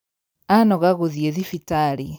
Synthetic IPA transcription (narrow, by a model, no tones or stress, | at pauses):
anɔɣaɣoðieðifitaɾi